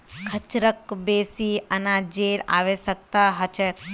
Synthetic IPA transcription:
kʰət͡ʃɾəkbesiənad͡ʒeɾa̰ʋeʃək̚t̪aɦət͡ʃʰe

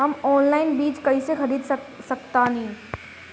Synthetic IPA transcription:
ɦɐmɔːnlaːɪnbiːt͡ʃkɐɦisexɐɾiːd̪sɐkt̪ãːnĩː

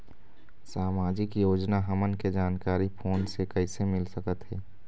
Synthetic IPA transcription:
saːmaːd͡ʒɪkjoːd͡ʒnaɦəmənked͡ʒaːnkaːɾipʰoːnsekəɪsemɪlsəkət̪ɦɛː

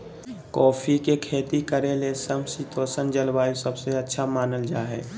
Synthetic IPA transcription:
kɔːpʰikekʰeːt̪ikəɾelesəmsit̪oːsənd͡ʒəlbaːisəbseətːʃʰamaːnəld͡ʒaːɦɛ̰ː

